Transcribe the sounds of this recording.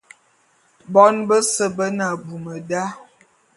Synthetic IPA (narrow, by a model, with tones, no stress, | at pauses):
bɔ˦nbə˦sə˦bə˦na˨bu˨mə˨da˦